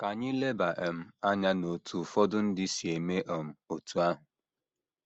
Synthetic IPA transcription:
ka˨ɲɪ˦le˦ba˨ʔe˨m̩˦a˦ɲa˦no˨tʰu˨fɔ˦dʊ˦n̩˦dɪ˦si˨e˨me˦ʔɔ˨m̩˦o˨tu˨a˦ɦʊ˨

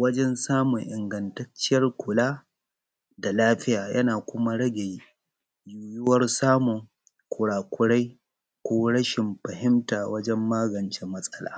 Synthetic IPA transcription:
wɐ˦d͡ʒɛ˦nsaː˦mʊ˨ŋʔɪ˨ŋɡɐ˨ntɐ˦t͡ʃːɪ˦jɐ˦rkʷʊ˨laː˦ | da˨laː˦ɸɪ˦jaː˨jʔɐ˦naː˨kʷʊ˦ma˦ɽɐ˦ɡʲe˨j | juː˨jʊ˦wɐ˦rsaː˦mʊ˨ŋ | kʷʊ˨ɽaː˨kʷʊ˦ɽa˦j | kʷoː˦ɽɐ˦ʃɪ˨mɸɐ˨hɪ˦mtaː˨wɐ˦d͡ʒɛ˦mːaː˦ɡɐ˨nt͡ʃe˦mːɐ˦sʼɐ˦la̰ː˦

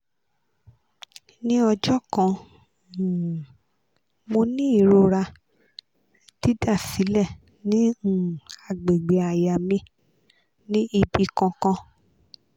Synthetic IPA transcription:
nĩ˦ɔ˧d͡ʒɔ˦kã˧˨ | mo˧nĩ˦i˦˨ɾo˧ɾa˧ | ti˦da˦˨si˨˦lɛ˦˨ | nĩ˦˨ | a˨ɡ͡be˨ɡ͡be˨a˨ja˨mĩ˧˦ | nĩ˦i˧bi˧kã˧kã˧

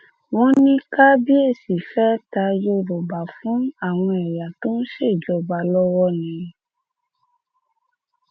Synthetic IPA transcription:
w̃ɔ̃˦nĩ˦ka˦bi˦e˦˨si˨fɛ˦ta˧jo˦ɾo˨ba˨fũ˨˦a˦˨w̃ɔ̃˧ɛ˨ja˨to˦n˦ʃe˦˨d͡ʒɔ˨˦ba˨lɔ˦wɔ˦nĩ˨˦

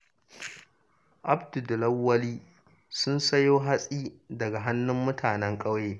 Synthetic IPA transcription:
ʔa˦bdu˨dʊ˨lɐ˦wːɐ˦liː˦ | sʊ˦nsɐ˦joː˦ɦa˦sʼiː˦dɐ˨ɡa˨ɦa˦nːʊ˦mːʊ˦tʰaː˨nɛ˦ŋkʼɐ˦wjeː˦

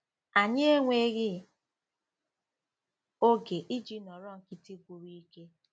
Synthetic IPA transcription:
a˨ɲe˦e˦ŋʷe˦ɣɪ˦ | o˦ɡe˨ʔi˦d͡ʒi˦nɔ˨ɾɔ˦ŋ̩˨ki˨˦ti˦ɡʷu˨ɾi˦i˦ke˦

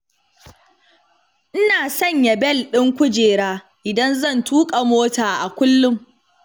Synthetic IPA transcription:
ʔɪ˦naː˨sɐ˦˨ɲjɐ˨bɛ˦˨lɗɪ˦ŋkʷʊ˦d͡ʒeː˨ɽaː˦ | ʔɪ˨dɐ˦nzɐ˦˨ntʰuː˦kʼa˨moː˦taː˨ʔa˨kʷʊ˦lːʊ˦m

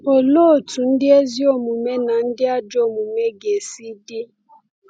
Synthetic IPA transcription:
o˨lo˦˨tʰu˨n̩˦dɪ˦e˦zi˦o˦mu˨me˦na˨n̩˦dɪ˦a˦d͡ʒo˨mu˨me˦ɡe˨si˦dɪ˦

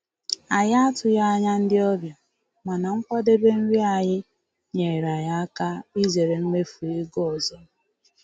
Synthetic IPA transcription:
a˨ja˦a˦tʊ˨ja˦a˦ɲa˦n̩˦dɪ˦ɔ˦bjɔ˨ | ma˨na˨ŋ̩˦kʷɔ˦de˦be˦n̩˦ɾi˦a˨ɲɪ˦ | ɲe˨ɾa˨ja˦a˦ka˦i˦ze˨ɾe˨ŋ̩˦ŋʷe˦fu˨e˦ɡo˦ɔ˨zɔ˦

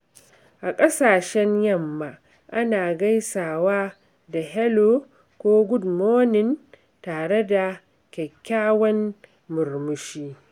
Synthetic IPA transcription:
ʔa˨kʼɐ˦saː˨ʃɛ˦ɲjɐ˦mːa˨ | ʔa˦naː˨ɡɐ˦jsaː˨waː˦ | da˨ɦɛ˦lo˦ | kʷoː˦ɡʷʊ˦dmoː˦nɪ˨n | taː˨ɽe˦da˨ | kʲɛ˨kʲːaː˦wɐ˦nː | ʊ˨rmʊ˦ʃiː˦

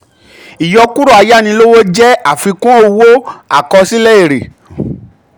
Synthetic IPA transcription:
i˨jɔ˧ku˦ɾɔ˦˨a˨˧ja˦˨nĩ˧lo˦wo˦d͡ʒɛ˦a˦˨fi˧kũ˦o˦˧wo˦a˦˨kɔ˧si˦lɛ˦i˦˨ɾḛ˨

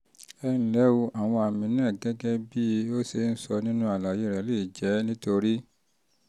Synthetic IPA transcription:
ɛ˧nĩ˨lɛ˨˦wo˧ʔa˨w̃ɔ̃˧a˨mĩ˧˦nãː˦˨ɡɛ˦ɡɛ˦bi˦o˦se˧˦n̩˦sɔ˧nĩ˦nũ˦a˨la˨je˨˦ɾɛ˨˦le˦˨i˨d͡ʒɛ˨˦nĩ˦to˧ɾi˦

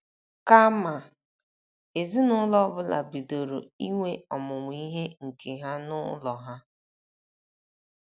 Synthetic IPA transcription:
ka˦ma˨ | e˨zi˦nʊ˦lɔ˦bʊ˦la̰˨bi˨do˨ɾo˨i˦ŋʷe˦ɔ˨mʊ˨ŋʷ˦i˦ɦe˦ŋ̩˨kʰe˨ɦa˦nʊ˦lɔ˨ɦa˦

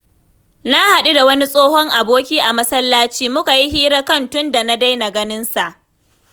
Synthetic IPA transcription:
na˦ha˨ɗu˦da˨wɐ˦ni˦sʼoː˦hɔ˦ŋʔa˨boː˦kʲiː˦ʔa˨mɐ˦sɐ˦lːaː˦t͡ʃiː˦mʊ˦ka˨ji˦ɦiː˦ɽa˦kɐ˦˨ntʊ˦nda˨na˦da˦jna˨ɡɐ˦nɪ˦nsa˨ʔ

